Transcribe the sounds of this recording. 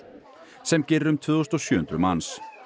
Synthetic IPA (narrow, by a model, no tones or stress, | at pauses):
sɛmcɪrːʏmt̪ʰvʏːðost̪ɔsjʏːʏnt̪ɾʏmans